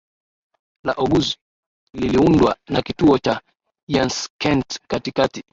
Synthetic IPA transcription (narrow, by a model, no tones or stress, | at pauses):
laʔɔɡuzi̥ | liliundwa̰nakituɔt͡ʃa | janskɛntkatikati